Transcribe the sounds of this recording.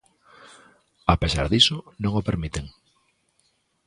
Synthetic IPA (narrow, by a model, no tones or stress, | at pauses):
apesa̰ɾðisonõŋopeɾmit̪eŋ